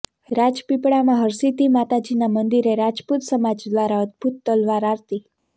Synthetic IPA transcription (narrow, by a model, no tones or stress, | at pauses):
ɾad͡ʒpipɽamãɦəɾsit̪imat̪ad͡ʑinamənd̪iɾeɾad͡ʒput̪səmad͡ʒd̪ʋaɾaəd̪bʱut̪̚ːəlʋaɾaɾt̪i